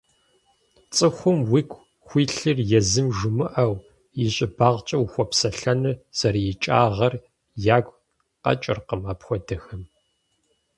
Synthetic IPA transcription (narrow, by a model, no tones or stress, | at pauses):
t͡sʼɨxʷʊmwikʷʰʼ | xʷiːɬɨrjɛzɨmʒʊmɨʔɐw | jɪɕʼɪbaːʁt͡ʃʼɐwxʷɔpsɐɬɐnɨz̥ɐɾjɪt͡ʃʼa̰ːʁɐr | jaːɡʷ | qɐ̰t͡ʃʼɪ̰rqəmaːpxʷɔdɐxɐm